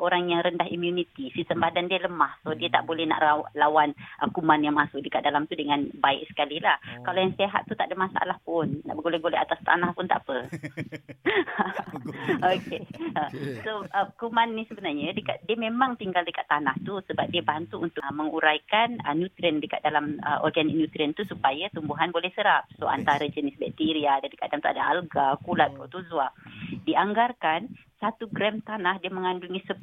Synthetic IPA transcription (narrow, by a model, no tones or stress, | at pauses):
ʔoɾaŋjaŋɾəndaɦḭmjunit̪isit̪əmbadandiələmahsodiət̪a̰ʔbolɛhna̰ʔalawanʔəkumanjaŋmasʊk̚dəkat̪̚dalamt̪udəŋanbaɪ̰ʔ̚sə̥kalilahkalojaŋseɦa̰t̪ːut̪aʔdəmasa̰a̰lahpʊnːa̰ʔbəɡolɛɡolɛʔat̪ast̪a̰nahpʊnt̪aʔpə | okeəsoəkumanːisəbənarɲadəka̰t̪̚diəmemãŋt̪iŋɡaldəkat̪ːanaht̪usəbap̚diəbant̪uunt̪ʊməŋuɾajkanənjut̪ɾiəndəka̰t̪̚dalamə̰ʔɔ̰rɡanik̚njut̪ɾiənt̪usupajat̪umbuɦanbolɛhsəɾap̚soa̰nt̪aɾad͡ʒənɪsbɛk̚t̪iɾiadandəkadamt̪ua̰daalɡakulat̪̚pɾot̪uzwadiʔaŋɡarkan | sat̪uɡɾɛmt̪anahdiəməŋanduŋisə